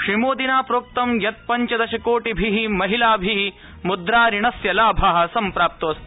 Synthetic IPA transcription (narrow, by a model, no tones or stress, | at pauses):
ʂɾimoːd̪inaːpɾoːk̚t̪ɐmjɐt̪̚pɐɲt͡ʃɐd̪ɐʃɐkoːʈibʱiɦimɐɦilaːbʱiɦi | mud̪ɾaːɾiɳɐsjɐlaːbʱaɦɐ̆sɐmpɾaːp̚t̪oːs